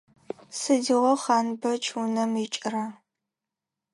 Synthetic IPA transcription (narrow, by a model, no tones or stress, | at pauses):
sɨdiʁʷɔχɑːnbɐt͡ʃʰunɐmit͡ʃʼɪrɐ